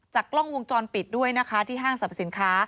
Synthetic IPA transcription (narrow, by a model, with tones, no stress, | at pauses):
t͡ɕaː˨˩kːlɔ˥˩ŋwo˧ŋt͡ɕɔː˧npi˨˩t̪̚du˥˩əjna˦˥kʰa˦˥t̪ʰiː˥˩ɦaː˥˩ŋsa˨˩p̚si˩˦nkʰaː˦˥